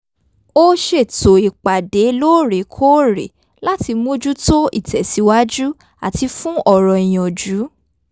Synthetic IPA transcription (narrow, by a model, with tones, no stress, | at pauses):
o˦ʃe˦˨to˨i˨k͡pa˨de˨˦lo˦˨ɾe˨kʰo˦ɾḛ˨ | la˦ti˧mũ˦d͡ʒu˦to˦ḭ˦˨tɛ˨si˧˦wa˦d͡ʒu˦ | a̰˨ti˧fũ˦ɔ˦˨ɾɔ˨i˨j̃ɔ̃˨d͡ʒu˨˦